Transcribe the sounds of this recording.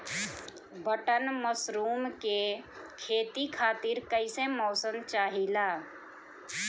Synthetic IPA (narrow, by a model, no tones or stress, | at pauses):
bəʈənməsɾuːmke | kʰeːt̪ikʰaːt̪ɪɾkəɪsemɔːsəmt͡ʃaːɦilaː